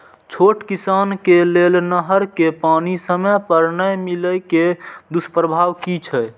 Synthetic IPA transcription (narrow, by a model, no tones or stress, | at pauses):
t͡ʃʰoʈkisaːnkelelnəɦəɾkepanisəməpəɾnəjmiləjked̪uspɾəbʱaːʋkit͡ʃʰɛ